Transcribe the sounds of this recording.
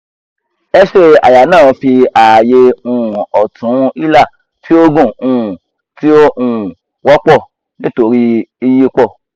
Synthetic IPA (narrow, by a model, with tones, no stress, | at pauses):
ɛ˦ʃe˦a̰˨ja˨˦nãː˦˨˧fi˧a˨je˧ũ˦˨ɔ˨tʰũ˨˦i˦la˦˨ | ti˦o˦ɡũ˦˨ũ˦˨ | ti˦o˦ũ˦˨ | wɔ˦k͡pɔ˦˨ | nĩ˦to˧ɾi˦i˧ji˦k͡pɔ˦˨